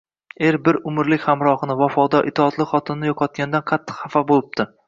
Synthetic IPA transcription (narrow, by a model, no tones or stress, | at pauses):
e̞ɾbɪɾʊmɪɾlɪkʲhamɾɒhnɪvafɒd̪ɒʔɪt̪ʰɒːt̪lˠɪχɒt̪ʰɪnnɪjɒqʰɒt̪̚kʲand̪anqʰɑt̪ʰːɪ̥qhɑfabolˠɪb̚d̪̥ɪ